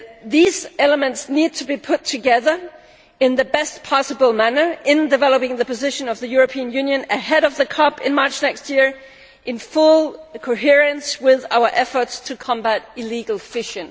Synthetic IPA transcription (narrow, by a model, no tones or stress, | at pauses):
ðizɛlˠəmɨ̃ntsnid̚tʰɨbipʰʊtʰɨɡɛðə˞ | ɨ̃nðɨbɛstpʰɑsəbl̩ˠmænə˞ɪ̃ndɨvɛlˠəpɪ̃ŋðɨpɨzɪʃɨ̃nʌvðɨjʊɹɨpʰiɨ̃njʉ̃njɨ̃nɨɦɛɾʌvðɨkʰɑpɨ̰̃nmɑɹt͡ʃnɛkst̚jɪɹ | ʔɨ̃nfʊlˠkʰoʊɦiɹɨ̃nswɪða̰ʊə˞ʔɛfə˞tstʰɨkʰɑ̃mbæɾɪliɡl̩ˠfɪʃɨ̃n